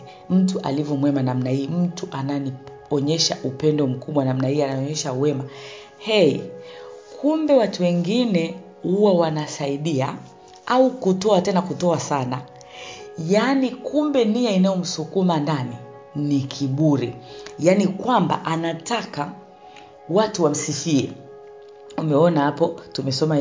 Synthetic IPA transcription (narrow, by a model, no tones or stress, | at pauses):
m̩tuʔa̰livɔmwɛmanamnahiːm̩tuʔanani | ɔɲɛʃaʔupɛndɔm̩kuɓwanam̩nahiːanaɔɲɛʃawɛma | hɛi | kʰumbɛwatuwɛŋɡinɛ | huwawanasaiɗia | aukutɔatɛnakutɔasana | janikʰumbɛnijainajɔm̩sukumandani | nikʰiɓuɾḭjanikwamba̰ʔanataka | watuwam̩sifiɛ̰ | umɛɔnahapɔtumɛsɔma